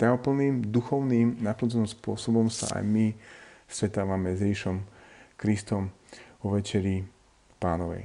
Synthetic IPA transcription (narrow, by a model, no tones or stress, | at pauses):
t̪aɔpl̩niːmd̪uxɔʊniːmnap̪lt̪nɔmspʊɔsɔbɔmsa̰ʔa̰jmisɾɛt̪aːʋamɛzɾiːʃɔmkɾist̪ɔm | ɔʋɛt͡ʃɛɾi | paːnɔʋɛ̰j